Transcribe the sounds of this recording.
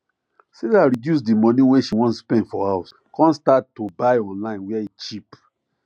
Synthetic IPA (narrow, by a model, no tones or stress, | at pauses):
sedaɹidjus̬dimɔ̃niwɛ̃ʃiwɔ̃nsspɛ̃ndfɔhaʊs | kɔ̃nstatːobaɪɔ̃nlãɪ̃nwɛait͡ʃip